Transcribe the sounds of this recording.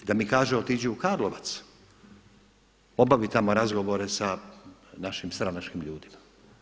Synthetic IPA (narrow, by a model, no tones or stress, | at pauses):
d̪amikaːʒeot̪id͡ʑuukaːɾlˠoʋat̪s | o̞baʋit̪amo̞ɾazɡo̞ʋo̞ɾe̞sanaʃimst̪ɾanat͡ʃkimʎuːd̪imḁ